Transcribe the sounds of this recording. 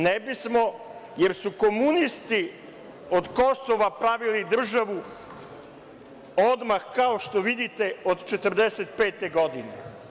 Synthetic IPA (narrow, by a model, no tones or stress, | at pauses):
nebismo̞je̞ɾsuko̞munist̪i | od̪ko̞soʋapɾaʋilid̪r̩ʒaʋu | od̪maxkaoʃt̪o̞ʋid̪it̪e̞od̪t͡ʃet̪r̩d̪eset̪peːt̪e̞ɡo̞d̪ine